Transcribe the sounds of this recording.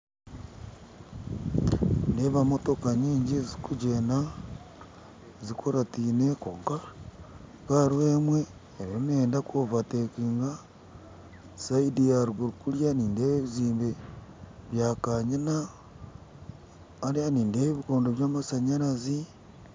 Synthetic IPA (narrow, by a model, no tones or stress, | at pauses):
indeβamo̞to̞kaɲiːɲɟizikud͡ʒena | zikoɾatiːneko̞̰ːŋka | kaɾweːmwe̞ː | ɾioneːndakovatekiːŋɡa | saidiaɾuɡuɾukuljaniːndeːβeβiziːmbe | βjakaɲina | ɾianiːndeːβeβiko̞ːndoβjaːmasaɲaɾazi